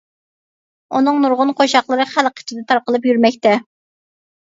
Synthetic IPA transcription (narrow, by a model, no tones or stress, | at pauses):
unɨŋnuɾʁʊnqʰoʃɑχlˠəɾɨχælqʰə̥t͡ʃʰɪd̪ɛt̪ʰɑɾqəlˠɨp̬jyɾmɛkʲt̪ɛ